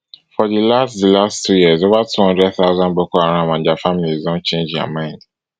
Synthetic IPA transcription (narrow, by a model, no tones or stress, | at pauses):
fɔdilastdilastʰujizovatʰuhɔ̃ndɹɛdθaʊzãnbɔkɔaɾ̃ãmãnd͡ʒafamilizɔ̃nt͡ʃẽnd͡ʒa̰mãɪ̃nd